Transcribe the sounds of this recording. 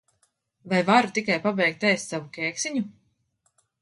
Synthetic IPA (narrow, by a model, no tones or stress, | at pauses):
vajvaɾut̪ikajpabɛjk̚t̪ɛjst̪savukʲɛːksiɲu